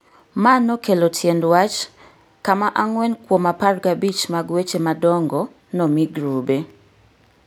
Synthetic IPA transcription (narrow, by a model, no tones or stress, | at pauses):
manɔkelotʰjɛndwat͡ʃ | kamaʔaŋwɛnkwomaparɡabit͡ʃmaɡwet͡ʃemadɔŋɡɔ | nɔmiɡɾube